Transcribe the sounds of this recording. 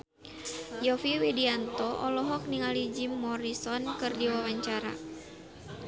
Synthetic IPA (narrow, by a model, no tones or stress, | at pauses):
jɔfiwidiant̪ɔʔɔlɔɦɔk̚niŋalid͡ʒimːɔɾisɔnkɨrdiwawaɲt͡ʃaɾa̰